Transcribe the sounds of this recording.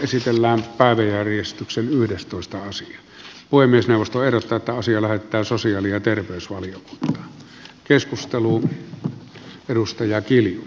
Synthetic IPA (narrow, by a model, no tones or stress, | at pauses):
esit̪elːæːmpæˑeʋæjærjest̪yksenyhdest̪oˑest̪ɑɑsiɑ | puhemˑiesneˑuʋost̪oeˑhrot̪ːɑːet̪ːæɑsiɑlæhet̪ːˑæːsosiɑːliɑt̪erʋeˑøysʋɑljoku̥nt̪ːˑɑ̥ː | keskust̪elu | edust̪ɑjɑkilju